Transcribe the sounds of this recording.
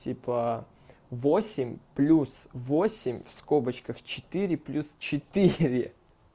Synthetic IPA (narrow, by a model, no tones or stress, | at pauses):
tʲipʰə | vosʲɪmʲplʲusvo̞sʲɪmʲfskobət͡ɕkəxt͡ɕɪ̥t̪ɨɾʲɪplʲust͡ɕɪt̪iɾʲɪ